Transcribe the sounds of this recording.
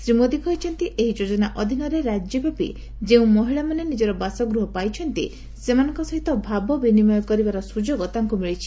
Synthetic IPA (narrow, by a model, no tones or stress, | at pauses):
sɾimod̪ikɔɦit͡ʃʰɔnt̪iʔeɦid͡ʒod͡ʒɔnaʔɔd̪ʱinɔɾeɾad͡ʒjebapḭ | d͡ʒeũmɔɦiɭamanenid͡ʒɔɾɔbasɔɡɾuɦɔpajt͡ʃʰɔnt̪ḭ | semanɔŋkɔsɔɦit̪ɔbʱabɔbinimɔjɔkɔɾibaɾɔsud͡ʒoɡɔt̪aŋkumiɭit͡ʃʰi̥